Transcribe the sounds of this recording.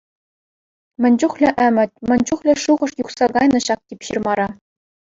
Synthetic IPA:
mʲɘ̆nʲd͡ʑuχlʲɘ̆ʔɘ̆mʲɘ̆tʲmʲɘ̆nʲd͡ʑuχlʲɘ̆ʂuʁɤ̆ʂjuχsɑɡɑjnɤ̆ɕɑk̚tʲipʲɕirmɑɾɑ

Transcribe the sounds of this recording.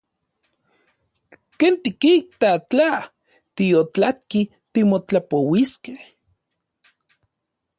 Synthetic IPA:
keːnt̪ikiht̪at͡ɬa | t̪ijot͡ɬat̪̚ki | t̪imot͡ɬapowiskeh

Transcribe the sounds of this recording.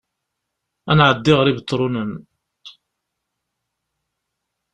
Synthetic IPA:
ænʕəd̪ːiʁəɾibət̪ˤːɾˤunən

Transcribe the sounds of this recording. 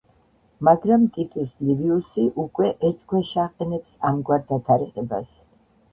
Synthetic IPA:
maɡɾamt̪ʼit̪ʼusliviusiʔukʼwɛʔɛt͡ʃʼɡwɛʃaqʼɛnɛpsamɡwaɾd̪at̪ʰaɾɛqʼɛba̰s

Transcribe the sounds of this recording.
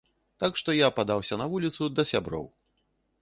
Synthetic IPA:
t̪akʂt̪ɔjapad̪awsʲɐnɐvulʲit̪sud̪ɐsʲabɾɔ̰w

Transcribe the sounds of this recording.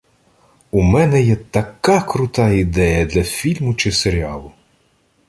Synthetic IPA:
umɛnɛjɛt̪ɐkɑkɾʊt̪ɑid̪ɛjɐd̪lʲɐfʲilʲmʊt͡ʃɪseɾʲiɑlˠʊ

